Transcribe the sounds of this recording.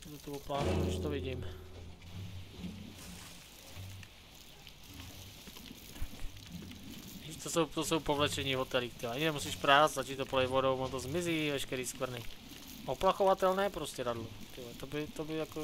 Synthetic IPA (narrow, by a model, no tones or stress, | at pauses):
d̪ut̪uɔplaːɦɛɛʃt̪ɔʋiɟiːm | t̪ḁk | iːʃt̪osowt̪ɔsowpɔʋlɛt͡ʃɛɲiːɦɔt̪ɛlikt̪iaɲinɛmusiːʃpɾaːd͡zzat͡ʃiːt̪opɔlɛjʋɔɾoʊɔnt̪ɔzmiziːʋɛʃkɛɾiːskʋr̩ni | ɔplaxɔʋat̪ɛlnɛːpɾoscɛɾad̪lot̪ɪlɛt̪obit̪ɔbijakɔ